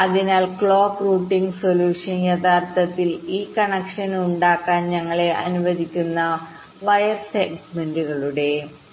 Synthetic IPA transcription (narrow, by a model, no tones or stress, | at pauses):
ɐðinaːlkɭo̞ːpruːʈːiŋɡso̞luːʂɐnjɐd̪ʱaːrt̪ʰɐt̪ːiliːkːɐɳɐkʂɐnuɳɖaːkːaːnɲɐŋːɐɭe̞ʔɐ̰nuʋɐðikʲːunːɐ | ʋɐjɐrseɡmenduɣɐɭuɽe̞